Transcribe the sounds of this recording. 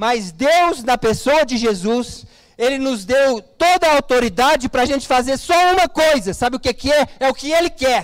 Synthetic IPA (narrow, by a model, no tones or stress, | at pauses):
mɐzd̪ewznɐpesoɐd͡ʒɪʒezus | elɪnʊzd̪ewt̪od̪ɐawt̪oɾid̪ad͡ʒɪpɾɐaʒẽnt͡ʃɪ̥fazeɾsɔũmɐkojzɐsabɪʊkekɪɛɾɛʊkɪelɪkɛɾ